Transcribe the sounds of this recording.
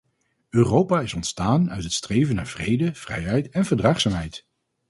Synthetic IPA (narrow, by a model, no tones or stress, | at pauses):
øːrowpaːɪsɔntstaːnœ̰ɥtɦətstrejvənaːɹv̥rejdəv̥rɛ̰jɛjtɛnvəɹdraːχsaːmɦɛjt